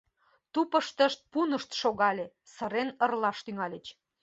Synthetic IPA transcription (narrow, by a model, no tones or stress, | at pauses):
t̪upəʃt̪əʃt̪̚punəʃt̪ʃoɣɑlʲe | səɾenərlɑʃt̪yŋɑlʲət͡ɕ